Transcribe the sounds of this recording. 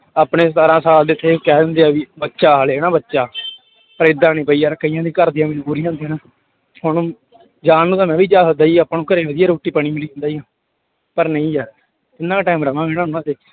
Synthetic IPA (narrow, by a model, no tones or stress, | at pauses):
aːpɳeːsaːɾãːsaːld̪eːt̪ʰːeːkɛːd̪ə̃nd̪eaːʋiːbətːʃaːɦaːleːɛːnãːbətːʃaː | pəɾeːd̪ãːnĩːpəiːaːɾkəijãːd̪iːkəɾd̪iãːməd͡ʒbuːɾiːãːd̪inãː | hʊn | d͡ʒaːnːũːt̪ãːmɛ̃ːʋiːd͡ʒaːsəd̪aːiːaːpaːnũːkəɾẽːʋəd̪ijaːɾoːʈːiːpəɳiːmɪliːɦə̃nd̪aːiːãː | pəɾnə̃ĩːd͡ʒaːɾ | ɪnːãːʈaːmɾəmãːeːnãːʊnãːd̪eː